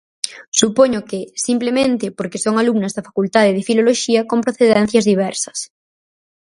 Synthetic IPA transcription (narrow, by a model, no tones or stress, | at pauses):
supoɲokesimplemẽnt̪epoɾkesoŋalumnazðafakult̪að̞eð̞efiloloʃiakompɾoθeðɛn̟θjazðiβ̞ɛɾsɐ̥s